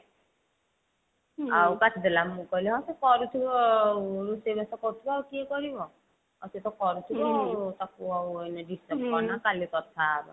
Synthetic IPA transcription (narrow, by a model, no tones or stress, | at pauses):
awkatʰid̪elamːukɔlɛɦɔsikɔɾut̪ʰibɔɾusebasɔkɔɾut̪ʰibɔawkiekɔɾibɔ | ɔset̪ɔkɔɾut̪ʰibɔut̪akuawenɛdistap̚kɔnakalit̪ɔt̪ʰaːɾṵ